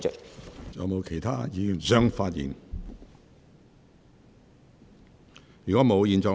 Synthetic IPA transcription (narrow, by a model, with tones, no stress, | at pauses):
œ̰˨jɐ˨˧wmo˨˧wkʰe˨˩jt̪ʰaː˥jiː˨˧jy˨˩nsœː˥ŋfaː˧t̚jḭː˨n | jyː˨˩kɔ˨˥mo˨˧wjiː˨˧nt͡sœː˨˧